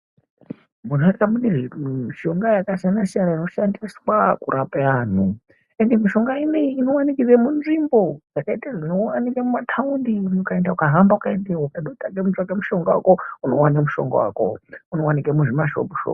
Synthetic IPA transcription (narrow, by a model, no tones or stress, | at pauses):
munokamuɗimmiʃo̞ŋɡajakaʃanaʃiaɾaino̞ʃandiswakṵɾʔapeaːn̤u | endemiʃo̞ŋɡaineiino̞wanikid͡zemunʐimbo̞d͡zakaitaʐino̞wanikamumatʰaundiuniukaendaukaɦambaukaendewakaɗotaɡemut͡ʃakemuʃo̞ŋɡawa̰kouno̞wanamuʃo̞̰ŋɡo̰wa̰ko̰uno̞wanikamuʐimaʃo̰puʃo̰